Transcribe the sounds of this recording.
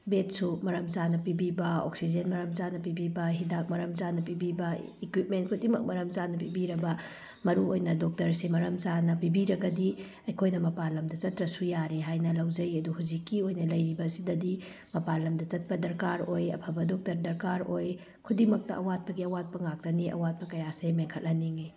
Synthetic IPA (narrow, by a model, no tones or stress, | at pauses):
bet̚sumɐɾɐmzanɐpibibɐo̰k̚sid͡ʒenmɐɾɐmzanɐp̬ibibɐɦidak̚mɐɾɐmzanɐpibibɐikwip̚ment̚kʰudimɐk̚mɐɾɐmzanɐpibiɾɐbɐ | mɐɾuojnɐdok̚tɐɾsemɐɾɐmzanɐpibiɾɐɡɐdi | ɐjkʰojnɐmɐpalɐmdɐt͡ʃɐtɾɐsujaɾeɦajnɐlɐwd͡ʒɐjɐduhuzikːiojnɐlɐjɾibɐːsidɐdi | mɐpalɐmdɐt͡ʃɐt̚pɐdɐɾkaɾojɐ̰pʰɐbɐdɔk̚tɐɾdɐɾkaɾoj | kʰudimɐk̚tɐʔɐwat̚pɐɡiɐwat̚pɐŋak̚tɐniʔɐ̰wat̚pɐkɐjasemeŋkʰɐl̚lɐniŋi